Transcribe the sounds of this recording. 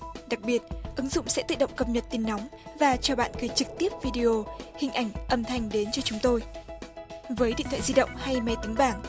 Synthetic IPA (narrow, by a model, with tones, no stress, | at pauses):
ɗa˨˩k̚ɓi˨˩ət̚ʔɨ˨˦ŋzʊ̰˧˨ŋ͡msɛ̰˧˥t̪ɨ̰˧˨ɗə̰˧˨ŋ͡mkə˧p̚ɲə˨˩t̚t̪i˨˧˩nːɔ˨˦mvaː˨˩t͡ɕɔ˧ɓa̰ː˧˨nkə˨˦jt͡ɕɨ˨˩k̚t̪i˦˥əp̚vi˧ɗi˧ʔo˧hï˨˩ŋ̟ʔa˧˩jŋ̟ʔə˧mt̪ʰa˨˧˩jŋ̟ɗe˨˦nt͡ɕɔ˧t͡ɕʊ˨˦ŋ͡mt̪o˧j | vəː˨˦jɗḭ˧˨nt̪ʰa̰ː˧˨zi˧ɗə̰˧˨wŋ͡mha˧jma˨˦t̪ï˨˦ŋ̟ɓaː˧˩ŋ